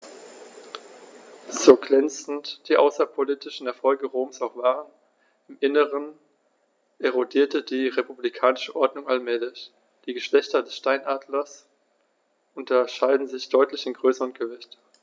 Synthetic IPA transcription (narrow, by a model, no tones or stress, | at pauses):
z̥oːɡlɛnt͡sn̩td̥iːʔa̰ʊsɐpʰoliːtɪʃn̩ɛɐfɔlɡəʁoːmsaʊxv̥aːʁən | ɪmʔɪnəʁən | ʔeʁodiːɐtədiːʁepublikʰaːnɪʃəʔɔɐdnʊŋalmɛːlɪç | d̥iːɡəʃlɛçtɐdɛsʃtaɪnʔaːdlɐs | ʔʊntɐʃaɪdn̩zɪçd̥ɔʏtlɪçɪnɡʁøːsəʁənɡ̥əvɪçt